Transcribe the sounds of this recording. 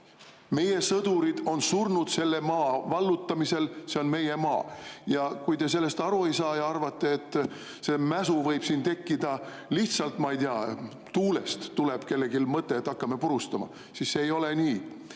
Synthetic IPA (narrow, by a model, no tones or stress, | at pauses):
me̞je̞sɤd̪̥uɾid̪̥o̞nsurnud̪̥se̞lːe̞mɑːvɑlːut̪ːɑmise̞lse̞o̞nme̞je̞mɑ̰ːjɑkujt̪e̞s̬e̞lːe̞st̪ɑɾue̞jsɑːjɑɑrvɑt̪ːe̞ːt̪ːˑ | se̞mæsuvɤjb̥siːnt̪e̞kːid̪̥ɑ | liht̪sɑlt̪ˑmɑijd̪iɑ | t̪uːle̞st̪ːuleb̥ke̞lːe̞ɡilmɤt̪ːˑe̞ːt̪ːˑɑkːɑme̞puɾust̪ɑmɑ̰ | sisːeːjo̞leniː